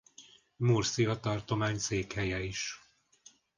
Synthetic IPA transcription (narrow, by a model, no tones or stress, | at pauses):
mursiɒt̪ɒrt̪o̞maːɲseːkhɛjɛiʃ